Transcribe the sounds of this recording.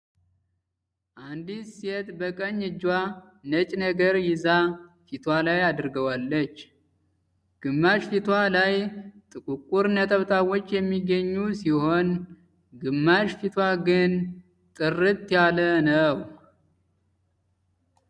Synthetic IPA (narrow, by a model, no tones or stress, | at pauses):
ʔand̪iset̪bəkʼəɲːɨd͡ʒwa | nət͡ʃʼnəɡəɾjɪzafit̪ʰwalajad̪ɨɾɨɡəwalːət͡ʃː | ɡ̥ɨmːaʃfit̪ʰwalajt̪ʼɨkʼukʼuɾnət̪ʰəβt̪ʰawot͡ʃːjɛmːiɡəɲːusiho̞n | ɡɨmːaʃfit̪ʰwaɡɨn | t̪ʼɨrːɨt̪ʼːjalənəw